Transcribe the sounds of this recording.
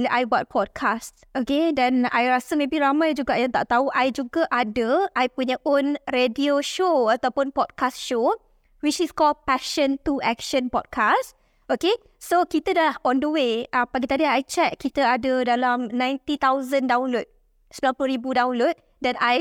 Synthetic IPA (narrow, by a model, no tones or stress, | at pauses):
ʔajbɔt̪̚pʰɔd̚kʰast | okedana̰jɾasəmẽbiɾamãjd͡ʒuɡaʔjãŋt̪a̰ʔt̪auʔajd͡ʒuɡaʔadəʔajpuɲəʔonredioʃoat̪awpʊnpɔd̚kastʃo | wit͡ʃiskɔlpɛʃə̃nt̪uʔɛkʃə̃npɔd̚kʰas | ʔoke | sokit̪əadalahɔ̃ndəweʔapaɡit̪adiajt͡ʃɛt̪̚kit̪əadədalamnãjnt̪it̪awzəndawnlot̪̚ | səmbilampluɾibudaũnlot̪̚ | danaj